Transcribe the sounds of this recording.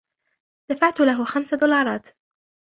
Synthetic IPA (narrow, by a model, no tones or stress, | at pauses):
d̪̥afaʕt̪ʊlaɦxamsad̪ʊlɑːɾˤɑːt̪